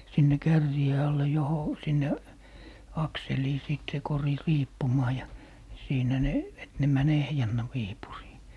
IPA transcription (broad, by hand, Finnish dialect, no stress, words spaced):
sinːe kærːiˑe ɑlːe joho sinːe ɑkseliː siˑt se kori riːpːumɑː jɑ siːnæ ne et ne mæn ehjænːæ wiːpuriː